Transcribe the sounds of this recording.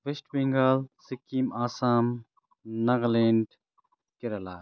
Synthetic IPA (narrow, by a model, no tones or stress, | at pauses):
ʋeʃʈbeŋɡaːlsikːiːmaːsaːm | nɐɣleːɳɖ | kɪɾɐla̰ː